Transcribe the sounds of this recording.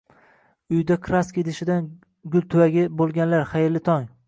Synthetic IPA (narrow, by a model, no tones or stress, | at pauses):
ʊjd̪akʰɾaskʲet̪ɪʃɪd̪an | ɡʲʊlˠt̪ʰʊwaɡʲɪbolˠɡʲanlaɾχajɪɾlɪt̪ʰɒŋ